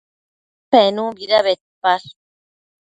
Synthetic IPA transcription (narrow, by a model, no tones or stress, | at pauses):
penũbiɾaβet̪̚paɾ